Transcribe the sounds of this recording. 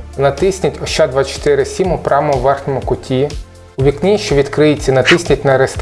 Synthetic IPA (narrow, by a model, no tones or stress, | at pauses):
nɐt̪ɪsʲnʲɐtʲɔʃt͡ʃːad̪ʋɑt͡ʃɔ̥t̪ɪɾɪsʲimʊpɾʔɑmɔʋɛrxnʲɔmʊkʊtʲʰi | ʊʋʲiknʲiʃt͡ʃɔʋʲid̪kɾɪjet͡sʲːɐnɐt̪ɪsʲnʲɐtʲnɐɾest̪